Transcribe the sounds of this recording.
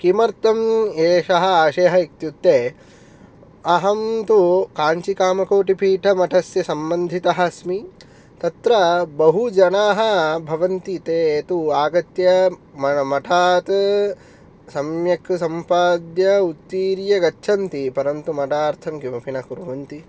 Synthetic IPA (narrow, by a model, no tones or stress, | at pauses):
kimɐɾt̪ɐmeːʃɐɦɐ̆aːʃeːɦɐik̚t̪jut̪ːeː | ɐɦɐmt̪ukaːɲt͡ʃikaːmɐkoːʈipʰiːʈʰɐmɐʈʰɐsjɐsɐmbɐnd̪ʱit̪ɐɦɐ̆smi | t̪ɐt̪ɾɐbɐɦud͡ʒɐnaːɦɐ̆bʱɐʋɐnt̪it̪eːt̪uaːɡɐt̪jɐmɐmɐʈʰaːt̪ | sɐmjɐksɐmpaːd̪jɐut̪ːiːɾjɐɡɐt͡ʃːʃʰɐnt̪ipɐɾɐnt̪umɐʈaːɾt̪ʰɐmkimɐpʰinɐkuɾuʋɐnt̪i